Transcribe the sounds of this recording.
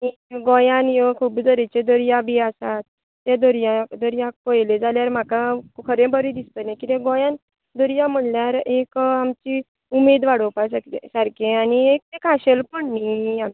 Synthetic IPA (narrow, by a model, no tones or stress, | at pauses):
iɡɔjanjekʰuːpd͡zəɾet͡ɕed̪əɾjabiasat̪ː | ed̪əɾjad̪əɾjakojled͡zaljaɾm̤akakʰəɾẽbəɾid̪ist̪ənakit̪ẽɡɔjãn | d̪əɾjãm̤əɳljaɾekamt͡ɕi | umed̪ʋaɽəpaskesaɾkʰẽaniek̚t̪ekaɕelpəɽniam